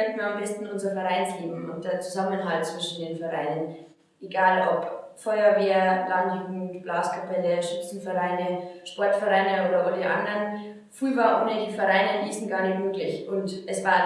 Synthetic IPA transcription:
ɛntn̩iːambɛstn̩ʊnzɐfɛɐʁaɪnsleːbm̩ʊnt̚d̥eːɐt͡suzamənɦalt̚t͡sv̥ɪʃn̩deːnfɛʁaɪnən | ʔeɡaːlʔɔpfɔʏɐveːɐladntyŋ̩b̥laːskʰapʰɛləʃɪsn̩fɛʁaɪnəʃpɔɐtfɛʁaɪnəoːɾɐʔodeʔandɐn | fʁ̥yːvaːʔonediːfɛʁaɪnədisn̩ɡ̥aːɐnɪçtmøːklɪçʔʊntʔɛsv̥aːɐ

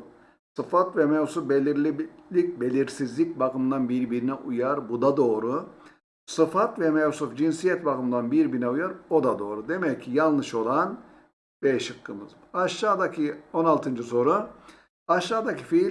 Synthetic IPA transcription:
sɯfat̪vɛmɛvsufbelʲiɾlʲilʲic̚be̞lʲiɾsizlʲic̚bakɯmnd̪anbiɾbiɾinɛʔujaɾbud̪ad̪o̞ːɾu | sɯfat̪vɛmɛvsufd͡ʒinsijɛt̪bakɯmd̪anbiɾbiɾnɛujaɾo̞d̪ad̪o̞ːɾud̪e̞mɛcʰːijalˠnɯʃo̞lˠan | b̥ɛʃɯkːɯmɯ̰z | aʃːaːd̪acʰio̞nalˠt̪ʰɯnd͡ʒɯso̞ɾu | aʃːaːd̪acifi

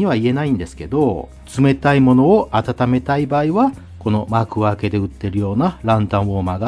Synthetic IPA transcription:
iβaie̞naĩnd̪e̞sɨ̥ke̞d̪o̞ | t͡sɨme̞t̪aimo̞no̞ːʔat̪at̪ame̞t̪aibaːiβa | ko̞no̞makɯ̟βaːke̞d̪e̞ɯ̟t̪ːe̞ɾɯ̟jo̞ːnaɾãnt̪ãɰ̃omaɡa

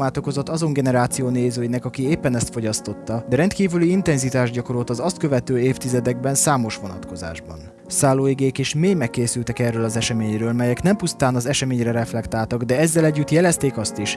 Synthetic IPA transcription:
maːt̪o̞ko̞zo̞t̪ːɒzo̞ŋɡɛnɛɾaːt̪sijoːneːzøːjinɛkɒkieːpːɛnɛst̪fo̞ɟɒst̪o̞t̪ːɒd̪ɛɾɛnt̪kiːvyliint̪ɛnzit̪aːʒɟɒko̞ɾot̪ɒzɒst̪̚køvɛt̪øːeːft̪izɛd̪ɛɡ̚bɛnsaːmo̞ʃʋo̞nɒ̰t̪ko̞za̰ːʒbɒ̰n | saːloːeɡeːkeːʃmeːjmɛkːeːsylt̪ɛkɛrøːlɒzɛʃɛmeːɲrøːlmɛjɛknɛmpust̪aːnɒzɛʃɛmeːɲrɛɾɛflɛkt̪aːlt̪ɒɡd̪ɛɛzːɛlɛɟːyt̪jɛlɛst̪eːkɒst̪iʃ

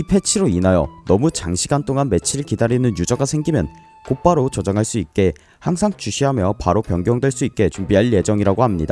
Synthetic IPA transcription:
ipʰe̞t͡ɕʰiɾoinajʌ̰nʌmut͡ɕaŋɕʰiɡant͈oŋanme̞t͡ɕʰiɾɯɭkidaɾinɯnjud͡ʑʌɡasʰe̞ŋɡimjʌn | kop͈aɾot͡ɕʌd͡ʑaŋɦaɭs͈uik͈e̞ | haŋsʰaŋt͡ɕuɕʰiɦamjʌpaɾopjʌŋɡjʌŋdwe̞ɭs͈uit̚k͈e̞t͡ɕumbiɦaɭje̞d͡ʑʌŋiɾaɡoɦhamɲida

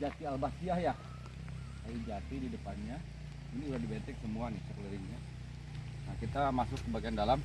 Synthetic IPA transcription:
d͡ʒat̪ialbasiahja | ajid͡ʒat̪ididəpanɲa | iniudahdibɛnt̪ɛksəmuanɪhsəkələɾɪŋɲa | nakit̪amasʊkːəbaɡiandalam

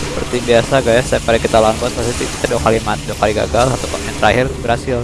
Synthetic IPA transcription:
səpərt̪ibiasaɡajasɛpaɾɛkit̪alaanbuat̪̚sasit̪it̪adokalimat̪̚dɔkaliɡa̰ɡalat̪awkamɛnt̪əɾahɪrbəɾasɪl

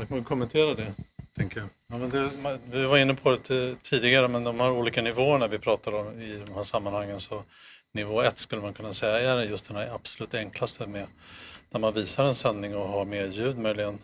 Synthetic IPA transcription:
akʰanvɪkʰɔmːɛnt̪ʰeːɾad̪ɛt̪ʰɛŋkəjajɑːmɛnd̪ɛmvɪvaɾɪnːəpʰɔd̪ɛt̪t̪ʰiːd̪ɪɡaɾəmɛnd̪ɔmhaɾuːliːkanɪvoːəɳæɾvɪpʰɾɑːt̪ad̪əɔmɪd̪ɔmhæːʂamːanhaŋːənsɔ | nɪvoːɛt̪ːskɵlːəmankʰɵnːasɛjːaɛæɾɛjɵst̪d̪ɛnæɾab̥sɔlʉ̟ːt̪ɛŋklast̪əmɛd̪̥æɾmanviːsaɾɛnsɛnd̪nɪŋɔɦaɾmeːɾjʉ̟ːd̪mœjlɪɡən

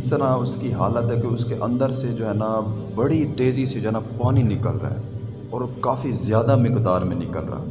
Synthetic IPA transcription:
ɪst̪əɾaʊskiɦaːlət̪ɦɛkeʊskeʔɐ̃nd̪əɾsed͡ʒoːɦɛːna | bɐɽit̪eːzised͡ʒoɦɛnapaːninɪkəlɾa̰ɦɛ̰ | ɔːɾkaːfizɪjaːd̪amɪkd̪aːɾmẽnɪkəlɾa̰ː

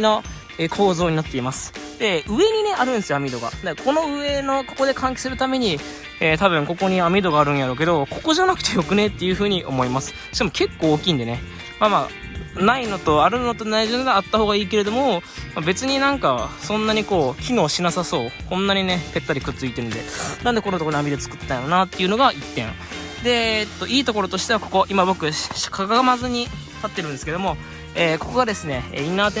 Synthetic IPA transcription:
no | eːkʰo̞ːzo̞ːɲ̟inat̪ːe̞imasɨ̥d̪̥e̞ɯ̟e̞ɲ̟ine̞ʔaɾɯ̟nd̪esɨjoamʲid̪o̞ɡa̰d̪akʰo̞no̞ɯ̟e̞no̞ko̞̥ko̞d̪e̞kãŋk̬ʲi̥sɨɾɯ̟t̪ame̞ɲ̟i | eːt̪aβɯ̟̃ŋko̞ko̞ɲ̟iamʲid̪o̞ɡaːɾɯ̟̃ɰ̃jaɾo̞ːk̬ed̪o̞ko̞ko̞ʑanakɯ̟̥e̞jo̞kɯ̟ne̞t̪ːe̞jɯ̟ɸɯ̟ːɲ̟iʔo̞̰mo̞imasɨ̥ | ɕk̪amo̞ke̞kːo̞ːkʲĩːnd̪e̞ne̞ | mamaː | naino̞t̪o̞aɾɯ̟not̪o̞naiʑind̪aat̪ːahoːɡaiːke̞ɾe̞d̪o̞mo̞mabe̞t͡sɨɲ̟inãŋkasõ̞nːaɲ̟iko̞ːkʲino̞ːɕinasaso̞ːkõ̞nːaɲ̟ine̞pe̞t̪ːaɾʲikɯ̟t͡sɨit̪e̞ɾɯ̟nd̪e̞nãnd̪ekonot̪ooamʲid̪e̞t͡sɨ̥kɯ̟t̪et̪anonat̪ːe̞iɯ̟no̞ɡaʔit̪ːẽ̞ŋ | d̪e̞t̪ːo̞ʔiːt̪o̞ko̞ɾo̞t̪o̞ɕi̥t̪e̞βako̞ko̞ʔimabo̞kɯ̟̥kʰaɡaɡamazɨɲ̟i | t̪at̪ːeɾɯ̟̃nsɨ̥ke̞d̪omo̞ | eːko̞ko̞ɡad̪e̞sɨne̞ḛːinaːt̪e

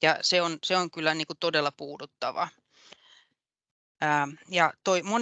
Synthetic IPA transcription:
jɑseonseoŋkylːæniːkut̪odelːɑpuːdut̪ːɑ̰ʋɑ̰ | aːjɑt̪oimon

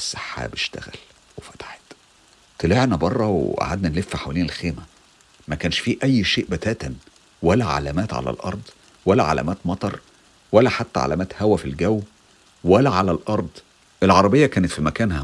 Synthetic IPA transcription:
esːaħːa̰beʃt̪æ̰ɣæ̰l | wefæ̥t̪ḁħe̥t̪ | t̪eleʕnæbɑrˤːɑweʔa̰ʕa̰d̪nænlefːæħawæleːnelxeːmæ | mækæːnʃfiːʔæjːʃeːʔbæt̪æːt̪æn | wælːæʕa̰læmæːt̪ʕa̰læ̰lʔɑ̰ɾˤd̪ˤ | wælːæʕa̰læ̰ːmæːt̪mɑt̪ˤɑɾˤ | wælːæħat̪ːæ̰ʕa̰læ̰mæːt̪hæwæfilɡæwː | wælːæʕalælʔɑɾˤd̪ˤ | ʔelʕɑɾˤɑbejːɑkæːnet̪fimækæːnhæ

